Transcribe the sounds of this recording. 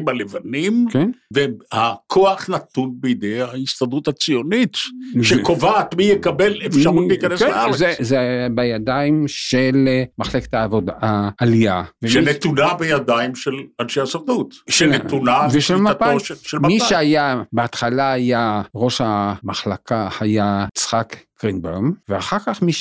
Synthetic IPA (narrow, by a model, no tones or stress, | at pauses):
malevanimkenvehakʰoaχnat̪unbejid̪ejaist̪ad̪ut̪hat͡sijo̞nit̪ʃekovaːt̪mijekabelefʃaʁulikaneskenaezezebejad̪aimʃelmaχleke̥t̪aːvod̪aaːlijaveʃenet̪unabejad̪aimʃelanʃejasaʁd̪ut̪ʃeet̪unaveʃelmaatoʃʃelmiʃeajabeat̪χalaajaʁo̞ʃamaχlakahajat͡sχakɡ̥ʁinbemveaχaʁkaχmiʃ